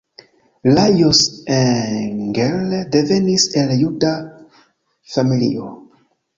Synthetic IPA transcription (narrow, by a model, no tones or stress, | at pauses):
lajoseŋɡeldeve̞niseljuda | familḭo